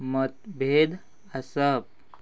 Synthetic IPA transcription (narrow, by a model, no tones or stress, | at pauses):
mət̪̚bʱed̪ | asəp̚